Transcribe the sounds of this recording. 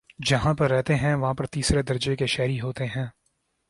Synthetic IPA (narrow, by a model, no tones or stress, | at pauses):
d͡ʒɐɦãpɐɾːɛɦt̪eɦɛ̃ʋɐɦãpɐɾt̪iːsɾed̪ɐɾd͡ʒekeʃɛːɾiɦoːt̪eɦɛ̃ː